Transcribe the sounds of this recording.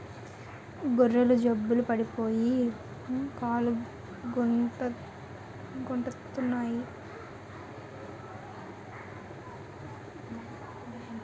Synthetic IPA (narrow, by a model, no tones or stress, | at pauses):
ɡorːɐlud͡ʒɐbːulupɐɽipoːji | kaːlu | ɡonʈɐ | ɡoɳʈɐt̪unːaːji